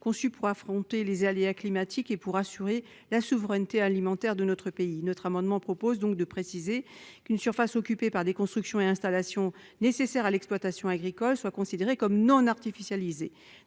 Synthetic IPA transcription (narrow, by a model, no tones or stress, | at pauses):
kɔ̃sypuʁafχɔ̃t̪elezaleaklimat̪ʰikepuʁasyʁe | lasuvʁɛnt̪ealimɑ̃t̪ɛʁd̪ənɔt̪χəpeinɔt̪χamɑ̃d̪mɑ̃pχɔpozd̪ɔ̃k̚d̪əpχesizekynsyʁfasɔkʲypepaʁd̪ekɔ̃st̪χyksjɔ̃eɛ̃st̪alasjɔ̃ | nesesɛʁalɛksplwat̪asjɔ̃aɡʁikɔlswakɔ̃sid̪eʁekɔmnɔ̃naʁt̪ifisjalize